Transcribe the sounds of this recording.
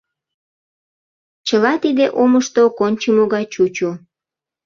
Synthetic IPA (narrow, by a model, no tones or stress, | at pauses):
t͡ɕəlɑt̪id̪eʔoməʃt̪okonʲt͡ɕəmoɣɑt͡ɕut͡ɕu